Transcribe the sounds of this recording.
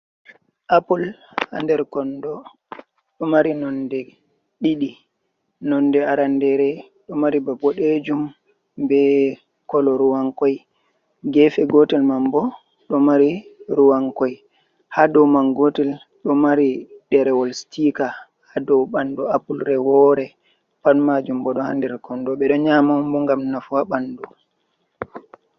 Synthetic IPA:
ʔapulha̰ndɛɾkɔndɔ | ɗɔmaɾinɔndɛ | ɗiɗi | nɔnːdɛaɾandɛɾɛ | ɗɔmaɾibabɔɗed͡ʒum | bɛ | kɔlɔɾuwaŋkɔj | ɡɛfɛɡɔtɛlmambɔ | ɗɔmaɾiɾuwaŋkɔj | hadɔwmaŋɡɔtɛl | ɗɔmaɾidɛɾɛwɔlstika | hadɔwɓandɔapulɾɛwɔɾɛ | panmad͡ʒumbɔɗɔha̰ndɛɾkɔndɔɓɛɗɔɲamambɔŋɡamnafwaɓandɔ

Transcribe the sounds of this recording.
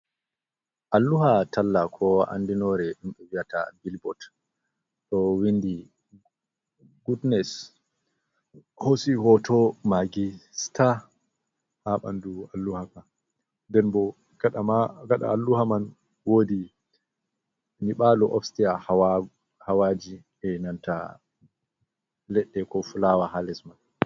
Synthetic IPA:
ʔalːuhatalːakʰɔa̰ndinɔɾɛɗimɓɛwiata̰bilbɔt | ɗɔwindi | ɡudnɛs | hosihɔtʰɔmaɡistʰa | haɓa̰ndualːuhaka | ndɛnbɔ | ɡ̥aɗamaɡaɗa̰ːlːuhaman | woːdi | niɓalɔʔɔfstiahwa | hawad͡ʒi | ɛnanta̰ | lɛɗːɛkɔfulawahalɛsman

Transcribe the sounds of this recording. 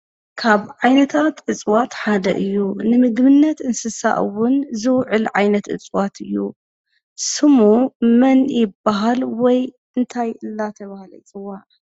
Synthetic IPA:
kʰaβʕajnɐt̪ʰat̪ʕɨt͡sʼwat̪ħad̪ɐ̰ʔɨjːunɨmɨɡβɨnːɐt̪ɨnsɨsa̰ʔɨ̰wʊnzɨwʕɨlʕajnɐt̪ʔɨ̰t͡sʼwat̪ʰɨjːṵ | sɨmumɐnjɪbːaɦalwɔj | ɨnt̪ʰajʔɨlːat̪ʰɐβahalɐ̰jt͡sʼɨwːaʕ

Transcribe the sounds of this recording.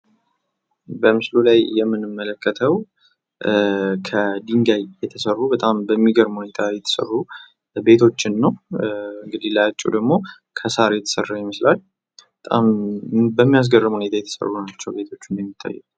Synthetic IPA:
bəmɨslulajːɛmːɨnɨmːələkːət̪ʰəw | kʰəd̪iŋɡajjɛt̪ʰəsərːubət̪ʼambəmːiɡəɾmhune̞t̪ʰajɛt̪ʰə̥sə̰rːu | be̞t̪ʰo̞t͡ʃːɪnːəwɨŋɡɨd̪ilajat͡ʃʼːṵd̪əɡmo̞ | kʰəsaɾjɛt̪ʰə̥sərːajɪməslal | bət̪ʼa̰mbəmːijas̬ɡərɨmhunet̪ʰajɛt̪ʰə̥sə̰rːunat͡ʃːɛwbe̞t̪ʰo̞t͡ʃːɪnjɛmːit̪ʰʼːa̰jːɛ̰k

